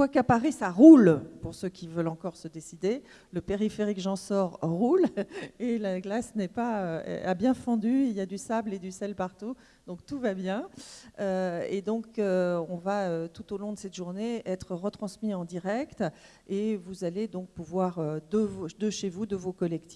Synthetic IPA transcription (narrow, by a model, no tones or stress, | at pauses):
kwakapaʁisaʁulpuʁsøkʲʰivœlɑ̃kɔʁsəd̪esid̪e | ləpeʁifeʁikʒɑ̃sɔʁːulelaɡlasnɛpaøɛ̰abjɛ̃fɑ̃d̪yiljad̪ysabled̪ysɛlpaʁt̪u | d̪̥ɔ̃k̚t̪uvabjɛ̃øed̪ɔ̃køɔ̃vaøt̪ut̪olɔ̃d̪əsɛt̪ʒuʁneɛt̪χəʁət̪χɑ̃smiɑ̃d̪iʁɛkt̪ | evuzaled̪ɔ̃k̚puvwaʁød̪əvod̪əʃevud̪əvokɔlɛk̚t̪i̥